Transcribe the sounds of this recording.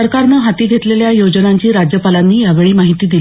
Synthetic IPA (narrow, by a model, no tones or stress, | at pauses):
əɾkaɾnəɦat̪iːɡʱet̪leljajod͡ʑənaɲt͡ɕiːɾad͡ʑjəpalanːiːjaʋeɭiːmaɦit̪iːd̪il